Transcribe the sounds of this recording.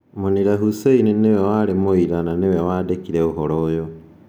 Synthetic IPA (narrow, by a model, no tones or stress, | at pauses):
moniɾaɦuseininewɛwaːɾemoiɾananewɛwaːdekiɾɛoɦɔɾɔːjo